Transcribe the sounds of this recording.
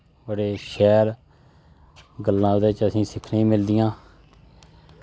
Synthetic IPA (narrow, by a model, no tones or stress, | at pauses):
bəɽeːʃɛːɾ | ɡəlːãːʊd̪eːt͡ʃəsĩːsɪkʰnːĩːmɪld̪ɪjãː